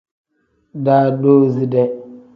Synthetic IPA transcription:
daː˦do˦zi˦dɛ˨

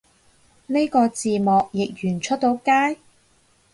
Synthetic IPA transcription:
ne˥kɔː˧t͡siː˨mɔː˨˩k̚jɪ˨k̚jyː˨˩nt͡ʃʰɵ˥t̚t̪o˨˥wkaː˥j

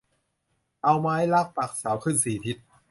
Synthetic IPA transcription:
ʔa˧wmaː˦˥jla˦˥˩k̚pa˨˩k̚saː˩˦wkʰɯ˥˩nsiː˨˩t̪ʰi˧˦˥t̪̚

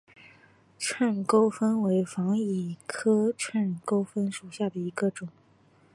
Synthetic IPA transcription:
ʈ͡ʂʰwa˥˩nko˥ʊfə˥nwe˧˥ɪfɑ˧˥ŋi˨˩kʰɤ˥ʈ͡ʂʰwa˥˩nko˥ʊfə˥nʂu˨˩ɕja˥˩d̪ə˩i˧˥ɡə˧ʈ͡ʂʊ˨˩˦ŋ

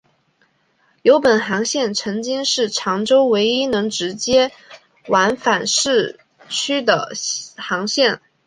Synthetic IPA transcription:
jo˧˥ʊpə˨˩nxɑ˧˥ŋɕjɛ˥˩nʈ͡ʂʰɤ˧˥ŋt͡ɕi˥ŋʂɻ̩˥˩ʈ͡ʂʰɑ˧˥ŋʈ͡ʂo˥ʊwe˧˥ɪi˥nɤ˧˥ŋʈ͡ʂɻ̩˧˥t͡ɕjɛ˥ | wa˧˥nfa˨˩nʂɻ̩˥˩ | t͡ɕʰy˥d̪ə̰˨˩xɑ˧˥ŋɕjɛ˥˩n

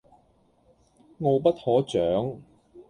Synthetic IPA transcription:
ŋɔː˨˧p̬ɐ˥t̚hɔː˨˥t͡sœː˨˥ŋ

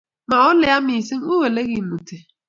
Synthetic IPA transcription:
ma˨ʊ˦lɪ˨a˦mi˨si˦ŋ˦u˦we˨le˦ɣi˨mu˨te˨

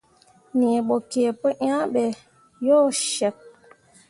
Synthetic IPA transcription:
ne˨ɓo˨ke˨pə˦ʔã˦ɓɛ˨ | jɔ˦˨ʃɛ˨k̚

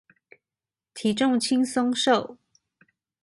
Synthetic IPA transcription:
t̪ʰi˨˥ʈ͡ʂʊ˥˧ŋt͡ɕʰi˥ŋsʊ˥ŋʂo˥˨˩ʊ

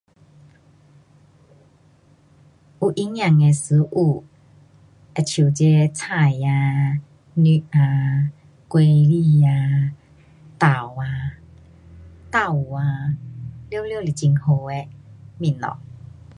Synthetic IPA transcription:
ʔu˨˧˩ʔi˦ŋjã˨˩ŋe˧sɨ˨˦ʔu˧˩ | e˧˨t͡ɕʰu˨˩˨t͡ɕe˧˦t͡sʰa˨˧˩ja˧ | ni˦ʔa˧ | kwe˧li˧˨a˧ | t̪a˨˩wa˧ | t̪a˧˨u˨a˧ | ljljo˥˧˨li˨˩t͡ɕi˧ŋho˧e˧mĩ˧˨nɔ̰˨

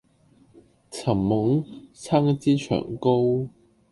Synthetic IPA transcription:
t͡sʰɐ˨˩mːʊ˨˥ŋt͡sʰaː˥ŋt͡siː˥t͡ʃʰœ̰ː˨˩ŋko˥w

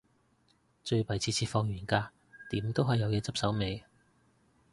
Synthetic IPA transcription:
t͡ʃɵ˧ɥpɐ˨˩jt͡sʰiː˧t͡sʰiː˧tfɔː˧ŋɥyː˨˩nkaː˧ | t̪iː˨˥mt̪o˥wɦɐ˨jːɐ˨˧wjɛː˨˧t͡sɐ˥p̚sɐ˨˥wme˨˧j

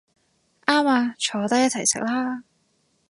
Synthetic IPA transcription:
ʔaː˥maː˧t͡ʃʰɔː˨˧t̪ɐ˥kjɐ˥t̚t͡sʰjsɪ˨˥k̚laː˥

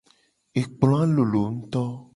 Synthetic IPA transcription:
e˨k͡plɔ̃˨˦a˦lo˨lo˨ŋ̩̃˦t̪ɔ˦

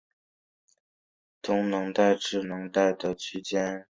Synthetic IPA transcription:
t̪ʰʊ˧˥ŋnɤ˧˥ŋt̪a˥˧ɪʈ͡ʂɻ̩˥˩nɤ˧˥ŋt̪a˥˩ɪd̪ə˩t͡ɕʰy˥t͡ɕjɛ˥n

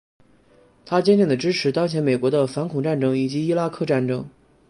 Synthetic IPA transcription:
t̪ʰa˥t͡ɕjɛ˥nt̪jɛ˥˩ŋd̪ə˩ʈ͡ʂɻ̩˥ʈ͡ʂʰɻ̩˧˥t̪ɑ˥ŋt͡ɕʰjɛ˧˥nme˨˩ɪkwɔ˧˥d̪ə˧fa˧˥nkʰʊ˨˩ŋʈ͡ʂa˥˩nʈ͡ʂɤ˥ŋi˨˩t͡ɕi˧˥i˥la˥kʰɤ˥˧ʈ͡ʂa˥˩nʈ͡ʂɤ˥ŋ

